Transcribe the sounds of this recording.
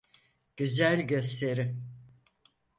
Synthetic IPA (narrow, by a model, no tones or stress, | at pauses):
ɟ̥yzælʲɟø̞st̪ʰe̞ɾɪ